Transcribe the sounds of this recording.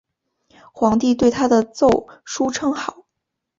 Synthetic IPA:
xwɑ˧˥ŋt̪i˥˧t̪we˥˩ɪt̪ʰa˥d̪ə˨t͡so˥˩ʊʂu˥ʈ͡ʂʰɤ˥ŋxɑ˨˩˦ʊ

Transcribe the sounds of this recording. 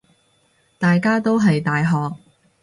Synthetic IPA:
t̪aː˨jkaː˥t̪o˥wɦɐ˨jt̪aː˨jɦɔː˨k̚

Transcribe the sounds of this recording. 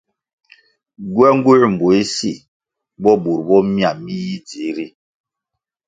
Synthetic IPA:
ɡwɛ˦ŋ˦ɡu˦ɾm̩˨bo˨i˦si˦˨ | bɔ˦bu˨ɾbɔ˦mja˨mi˦ji˦d͡zi˨˦ɾi˦

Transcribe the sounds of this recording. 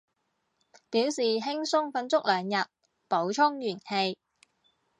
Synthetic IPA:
piː˨˥wsiː˨ɦɪ˥ŋsʊ˥ŋfɐ˧nt͡sʊ˥k̚lœː˨˧ŋjɐ˨t̚ | po˨˥wt͡ʃʰʊ˥ŋjyː˨˩nhe˧j

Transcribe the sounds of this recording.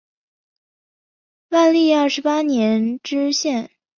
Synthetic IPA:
wa˥˧nli˥˧ɐ˞˥˩ʂɻ̩˧˥pa˥njɛ˧˥nʈ͡ʂɻ̩˥ɕjɛ˥˩n

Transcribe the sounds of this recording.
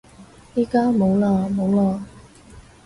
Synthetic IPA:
jiː˥kaː˥mo˨˧wlaː˧mo˨˧wlaː˧

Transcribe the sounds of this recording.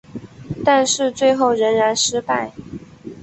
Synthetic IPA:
t̪a˥˧nʂɻ̩˥˧t͡swe˥˧ɪxo˥˩ʊɻə˧˥nɻa˧˥nʂɻ̩˥pa˥˩ɪ

